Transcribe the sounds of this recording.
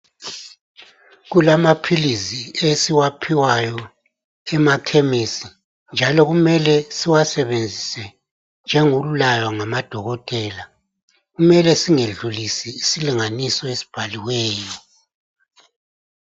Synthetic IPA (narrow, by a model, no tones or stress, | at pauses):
ɣulamapʰiliziesiwapʰiwajɔ | ɛmakʰemisi | nd͡ʒʱalɔɣumɛlɛsiwasɛβend͡zʱisɛ | nd͡ʒʱɛŋululajwaŋamad̥ʱɔɣɔtʼɛːla | ɣumɛlɛsiŋeɮulisiːsiliŋanisɔesi̥b̥ʱaliwɛːjɔ